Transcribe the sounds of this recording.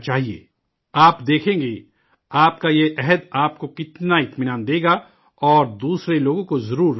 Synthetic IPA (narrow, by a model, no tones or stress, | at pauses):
t͡ʃaːɦiḛː | aːpd̪eːkʰẽːŋɡe | aːp̚kajeʔɛɦəd̪aːp̚kokɪt̪naɪt̪mɪnaːnd̪eːɡa | ɔːɾd̪uːsɾeloːɡõkozɐɾuːɾ